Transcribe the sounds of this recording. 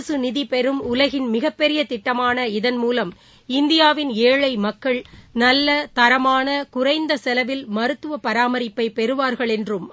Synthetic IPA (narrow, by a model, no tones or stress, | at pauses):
sɯnɪðipɛɾɯmʊlɐɣɪnmɪɣɐpːɛɾɪjɐt̪ɪʈːɐmaːnɐɪðɐnmuːlɐm | ɪnd̪ɪjaːʋɪneːɻɐɪmɐkːɐɭnɐlːɐt̪ɐɾɐmaːnɐkʊrɐɪnd̪ɐsɛlɐʋɪlmɐɾɯt̪ːɯʋɐpɐɾaːmɐɾɪpːɐɪpɛɾɯʋaːɾɣɐɭɛndrɯm